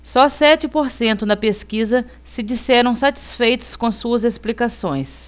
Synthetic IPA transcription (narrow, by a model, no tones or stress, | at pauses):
sɔsɛt͡ʃɪpoɾsẽnt̪ʊnɐpeskizɐ | sɪd͡ʒisɛɾɐ̃w̃sat͡ʃi̥sfejt̪ʊ̥skõsuɐzesplikasõ̰j̃s